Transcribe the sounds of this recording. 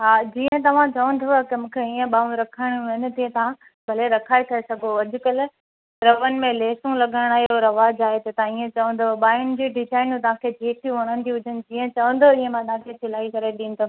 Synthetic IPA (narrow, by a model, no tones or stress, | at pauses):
ɦaːd͡ʑĩːə̃t̪ɐʋ̤ãt͡ɕɐʋə̃nd̪ʱoakɐmũːkʰeiə̃ɓaːũɾɐkʰəɽ̃ʊɪnɪt̪iẽt̪ɐʋ̤ã | bʱɐleɾɐkʰaːekʰɐɾesɐɡʱoɐd͡ʑʊkəl | ɾɐʋənɪ̆mẽleːsũlɐɠʱəɽɽ̃aːɦẽoɾɐʋaːd͡ʑaːɦet̪ɐt̪ɐãiːẽt͡ɕɐʋə̃n̆d̪oɓaːjʊnɪ̆d͡ʑiːɖɪzaːɪnũt̪ɐʋ̤ãːkʰed͡ʑeːʈʰiɦoːɽ̃ə̃n̆d̪ʰiʊd͡ʑʱənɪ̆d͡ʑiːə̃t͡ɕɐʋə̃nd̪oiːə̃mãt̪ɐʋ̤ãkʰet͡ɕʰɪlaːikɐɾeɗĩːn̆d̪o